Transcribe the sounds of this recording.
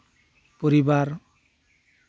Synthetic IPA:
poɾibaɾ

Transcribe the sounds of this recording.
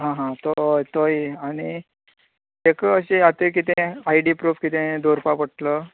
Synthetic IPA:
ɦãɦãt̪ot̪ojaɽ̃i | ekəəɕeat̪ẽk̬it̪ẽaiɖipɾuːfkit̪ẽd̪oɾpapəʈlə

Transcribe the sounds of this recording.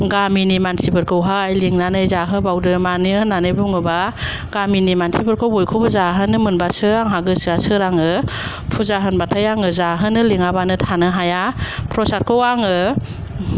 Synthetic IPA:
ɡaminimantʰibɯɾkʰɯwɦaajliŋnanɯjzaɦɯbawdɯmanɯhɯnːanɯjbuŋɯba | ɡ̥aminimantʰibɯɾkʰowbojkʰobɯzaɦɯnɯmɯnbasɯaŋɦaɡɯsɯasɯɾaŋɯ | pʰuzaɦɯnbatʰajaŋɯzaɦɯnɯliŋabanɯtʰanɯɦajapʰɾɔsaɾ̚kʰowaŋɯ

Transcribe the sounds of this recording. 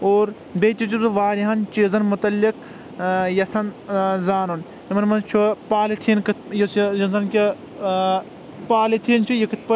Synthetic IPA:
oːɾ | bet̪ʲit͡ʃ̪uuʋaːɾiɦɐnt͡ʃeːzɐnmut̪ɐlːik | jɐsʰɐnzaːnun | ɾimɐnmɐnt͡ʃʰupaːlit̪ʰiːnkɨt̪jɐsjɐnzɐnkʲɐ | paːlit̪ʰiːnt͡ʃʰijɐkɨt̪̚ʰpɐ

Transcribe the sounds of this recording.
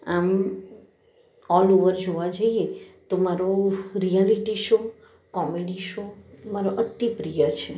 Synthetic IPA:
am | ɔloʋəɾd͡ʒoʋad͡ʒəiet̪omaɾoɾijaliʈiʃo | kɔmeɖiʃomaɾoʔət̪ːipɾijat͡ʃʰe

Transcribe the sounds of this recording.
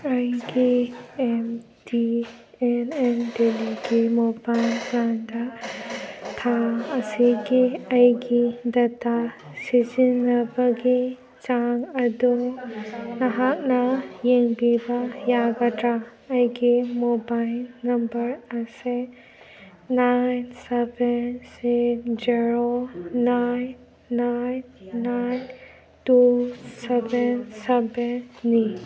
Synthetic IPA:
ajɡiem | di | enendeliɡimobajlplanda | t̪ʰaɐsiɡiajɡidɐta | sizinlɐbɐɡi | t͡ʃaŋɐdu | nɐɦak̚nɐjeŋbibajabɐdɾaːjɡimobajlnɐmbəɾɐse | najnsɛbɛnsed͡ʒiɾonajnː | ajnːajn | tusɛbɛnsɛbɛnːi

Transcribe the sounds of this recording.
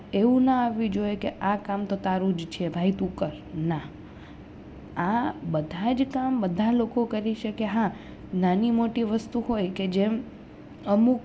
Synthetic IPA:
eʋũnəaʋĩd͡ʒoekeʔakamt̪ot̪aɾũd͡ʒt͡ʃʰebʱait̪ukəɾna | abəd̪ʱad͡ʒkambəd̪ʱalokokəɾiʃəkeɦã | nanimoʈiʋəst̪uɦojked͡ʒem | əmuk

